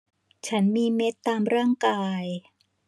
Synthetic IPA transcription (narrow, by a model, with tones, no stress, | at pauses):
t͡ɕʰa˦˥nmiː˧me˦˥t̪ːaː˧mɾaː˥˩ŋkaː˧j